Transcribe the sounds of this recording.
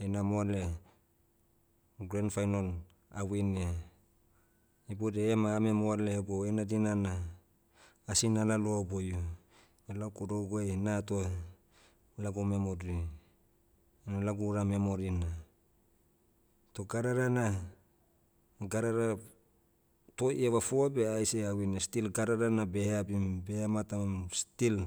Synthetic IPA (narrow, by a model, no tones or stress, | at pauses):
enamoale | ɡɾanfajnon | awina | ibodeemaːme̞moaleboenadinana | sinalaloobojo | elakodoɡoenatoa | laɡome̞modi | nalaɡuɾame̞mo̞ɾina | to̞ɡaɾaɾana | ɡaɾaɾa | tojeβafoabe̞ajseawinastilɡaɾaɾanabe̞habimbehamatamstil